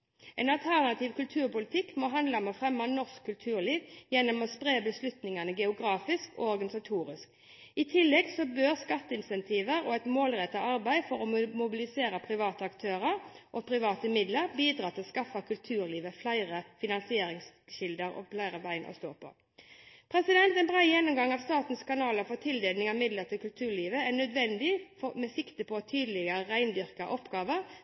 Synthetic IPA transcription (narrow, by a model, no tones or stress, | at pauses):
ʔɛnɑlt̪ʰæʁnɑt̪ʰɪːʋkʉlt̪ʰʉːʁpʊlɪt̪ʰɪkːmoːɦɑnd̪lɑməfʁɛmːɑnɔʁskʰːʉlt̪ʰʉːʁliːʋjɛnːɔmɔspʁeːbəslʉt̪nɪŋɑnəɡɛʊɡɾɑːfɪskɔ̰ɔʁɡɑnɪsɑt̪ʰuːʁɪsk | ɪt̪ʰɪlːɛɡsɔbøːʁskɑt̪ːəɪnsɛnt̪ʰiːʋəɾoɛt̪moːlʁɛt̪ːɑɑʁbæɪfɔʁɔmʊbɪlɪseːɾəpʰʁɪʋɑːt̪əɑkt̪ʰøːʁəʁ | ʔɔpʰʁɪʋɑːt̪əmɪd̪ləɾbiːd̪ɾʁɑːt̪ʰɪlskɑfɑkʰʉlt̪ʰʉːʁliːʋəflæɪʁəfɪnɑnsɪeːɾɪŋsɕɪld̪əɾɔ̰flæɪʁəʋæɪnʔɔ̰st̪o̰ːpʰɔ̰ | pʰɾɛsɪd̪ɛnt̪ɛnbʁɑjɛnːʊmɡɑŋɑʋst̪ɑːt̪n̩skɑnɑːləɾfɔt̪ʰɪld̪eːlnɪŋɑʋmɪd̪ləʁt̪ʰɪlkʉlt̪ʰʉːʁliːʋəænœd̪ʋɛnd̪ɪfɔmɛsɪkt̪əpʰɔɔt̪ʰyːd̪əlɪɡəʁəʁæɪnd̪ʏʁkɑʔɔpːɡɑːʋəʁ